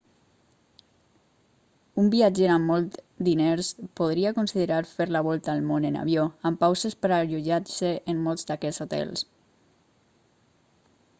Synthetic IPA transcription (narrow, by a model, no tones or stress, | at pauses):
umbiad͡ʒeɾamːɔlˠt̪ | d̪ineɾspoð̞ɾiakunsiðeɾaɾfeɾlaβ̞ɔlˠt̪aːlmonena̰β̞joampawsespəɾaʎuʒaɾseʔːmːɔlˠzd̪akɛsut̪ɛ̰ls